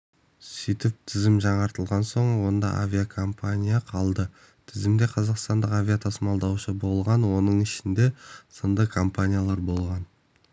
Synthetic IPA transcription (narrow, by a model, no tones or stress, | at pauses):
sijt̪ɪp̚t̪ʰɪzɪmʒɑɴɑɾt̪əlˠʁɑnso̞ɴwo̞nd̪ɑ̰ʔa̰vʲijakʰo̞mpʰanʲijaqʰɑlˠd̪ə | t̪ʰɪzɪmd̪e̞qʰɑzɑqst̪ɑnd̪əqavʲijat̪ʰɑsmɑlˠd̪ɑwʃəbo̞lˠʁɑnwo̞nəɴɪʃɪnd̪e̞sənd̪əkʰo̞mpanʲijalˠɑɾbo̞lˠʁɑn